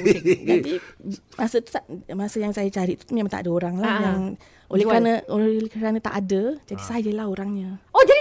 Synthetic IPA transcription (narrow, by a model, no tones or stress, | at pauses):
d͡ʒad̪imasət̪u̥t̪amasəjaŋsajat͡ʃaɾiʔt̪u̥t̪umimat̪a̰ʔadəoɾaŋlahjaŋ | ʔolɛhkɾanəolkɾanə̃t̪a̰ʔadəd͡ʒadisajəlahoɾaŋɲə̃od͡ʒadi